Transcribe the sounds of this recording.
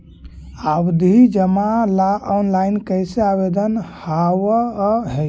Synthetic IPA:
abd̪ʱid͡ʒəmalaʔɔnlajnkəjseaβed̪ənhawəɦɛj

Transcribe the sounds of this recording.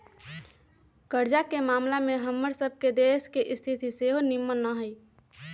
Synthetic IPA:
kəɾd͡ʒakemaːmlameɦəmːəɾsəb̚ʱked̪eskeʔɪst̪ʰit̪iseɦonimːənːəɦəi

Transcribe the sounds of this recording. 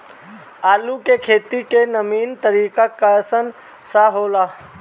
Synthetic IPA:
aːlukekʰeːt̪ikenəmiːnt̪əɾiːkakasən | saɦoːlaː

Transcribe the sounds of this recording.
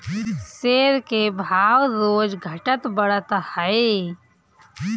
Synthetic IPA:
seːɾkebʱaːwɾoːd͡ʒɡʱəʈət̪bəɽət̪həe

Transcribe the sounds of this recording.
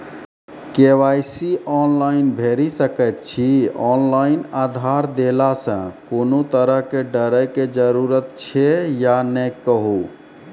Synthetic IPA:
keʋajsiɔnlainbʱeɾisəkət̪̚t͡ʃʰiɔnlainad̪ʱaɾd̪elasə̰̃konot̪əɾəɦkeɖəɾəjked͡ʒəɾuɾət̪̚t͡ʃʰejanəjkəɦu

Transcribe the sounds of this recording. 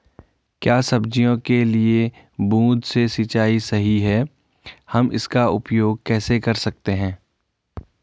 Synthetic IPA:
kjaːsɐbd͡ʒijõkelie | bũːd̪sesɪt͡ʃaːisɐɦiɦɛ | hɐmɪ̰skaʊpjoːɡ̚kɛːsekɐɾsɐk̚t̪eɦɛ̃ː

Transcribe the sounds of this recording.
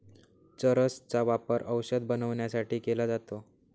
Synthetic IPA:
t͡səɾəst͡saʋapəɾʔəwɕəd̪̚bənəʋɳjasaʈʰiːkelad͡zat̪o

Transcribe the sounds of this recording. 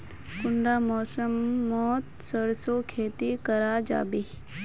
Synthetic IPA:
kʊɳɖaːmɔːsəmːoːt̪səɾsoːkʰeːt̪ikəɾaːd͡ʒa̰ːbi

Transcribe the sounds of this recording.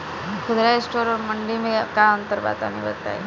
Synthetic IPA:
kʰʊd̪ɾaesʈoːɾɔɾməɳɖimekaənt̪əɾba̰t̪a̰niʋə̰t̪a̰j̰

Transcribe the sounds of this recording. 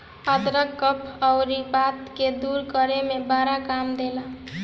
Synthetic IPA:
ʌt̪ɾəkːʌpʰʌwɾibat̪ked̪uɾkʌɾemebaɾakamd̪elə

